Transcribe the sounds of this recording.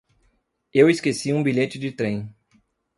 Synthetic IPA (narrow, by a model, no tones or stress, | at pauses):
eweskesiũbiʎet͡ʃɪd͡ʒɪt̪ɾẽj̃